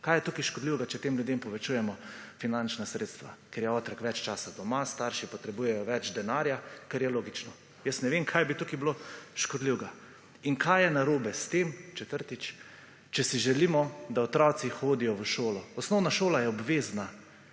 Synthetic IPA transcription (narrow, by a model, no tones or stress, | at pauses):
kaːjɛt̪ukiʃkɔd̪liwɡat͡ʃɛt̪eːmljud̪empɔʋɛt͡ʃuːjɛmɔfinant͡ʃnasɾeːt̪st̪ʋa̰kɛɾjɛɔːt̪ɾakʋɛt͡ʃt͡ʃaːsad̪ɔmast̪aɾʃipɔt̪ɾɛbuːjɛjɔʋɛd͡ʒd̪ɛnaːɾjakɛɾjɛloːɡit͡ʃnɔ | jəsnɛʋemkʰajbit̪ukibloʃkɔd̪liwɡa | iŋkʰajjɛnaɾoːbɛst̪emt͡ʃɛt̪əɾt̪it͡ʃ | t͡ʃɛsiʒɛliːmɔd̪aɔt̪ɾɔt̪sixoːd̪ijɔʋəʃoːlɔɔsnɔwnaʃoːlajɛɔbʋeːzna